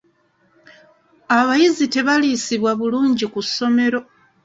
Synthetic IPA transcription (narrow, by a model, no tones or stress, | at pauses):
aβajizite̞βaliːsiβwaβuluːɲɟikusːo̞me̞ɾo̞